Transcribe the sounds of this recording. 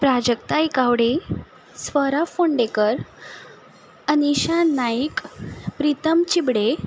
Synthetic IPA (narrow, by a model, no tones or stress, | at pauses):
pɾad͡ʑək̚t̪aikaʋɽe | sʋəɾafoɳɖekəɾ | əniɕanːaikpɾit̪əmt͡ɕibɽe